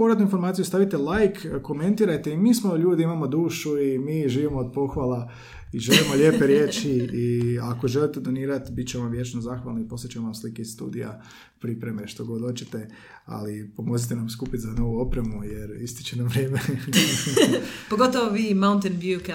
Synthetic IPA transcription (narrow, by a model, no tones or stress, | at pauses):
poɾat̪nuinfo̞ɾmaːt̪siust̪aʋit̪elajkko̞me̞nt̪iːɾajt̪e̞imiːsmo̞ʎuːd̪iimamo̞d̪uːʃuimiːʒiːʋimo̞od̪̚po̞xʋalˠa | iʒelimo̞ʎʲe̞ːpe̞ɾje̞ːt͡ʃiiako̞ʒelit̪ed̪o̞niːɾat̪bit̪̚t͡ɕeʋamʋje̞t͡ʃnozaxʋa̰lnoipo̞set͡ɕemoʋamslikeizst̪ṵːd̪ija̰ | pɾipɾe̞me̞ʃt̪oɡod̪ot͡ɕet̪e̞ | a̰lipomozit̪enamskuːpit̪zano̞ʋuo̞pɾemuje̞ɾist̪o̥t͡ɕenamʋɾeːme | poɡot̪oʋoʋiːmaunt̪enbjuk